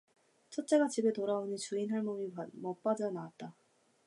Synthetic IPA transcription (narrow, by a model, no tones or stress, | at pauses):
t͡ɕʰʌt̚t͡ɕ͈e̞ɡat͡ɕibe̞toɾaonit͡ɕuinɦaɭmomimʌp͈ad͡ʑanaat̚t͈a